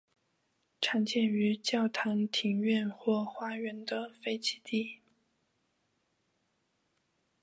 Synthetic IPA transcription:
ʈ͡ʂʰɑ˧˥ŋt͡ɕjɛ˥˩ny˧˥t͡ɕjɑ˥˩ʊt̪ʰɑ˧˥ŋt̪ʰi˧˥ŋɥɛ˥˧nxwɔ˥˩xwa˥ɥɛ˧˥nd̪ə˧fe˥˧ɪt͡ɕʰi˧˥t̪i˥˩

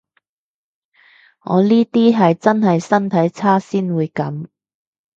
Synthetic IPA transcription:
ŋɔ̰ː˨˧liː˥t̪iː˥ɦɐ˨jt͡sɐ˥nɦɐ˨jsɐ˥nt̪ʰɐ˨˥jt͡sʰaː˥siː˥nwuː˨˧jkɐ˨˥m

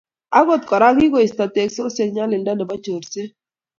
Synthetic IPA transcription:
a˦ɡo˦˨t̪kɔ˨ɾa˦ɡi˦ɡo˨i˨st̪a˨t̪e˨kso˦se˨ɲa˦lɪ˨nda˦ndɔ˨ba˦t͡ʃo˨ɾse˦

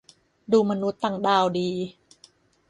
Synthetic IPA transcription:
duː˧ma˧nu˦˥t̪ːa˧ŋdaː˧wdiː˧

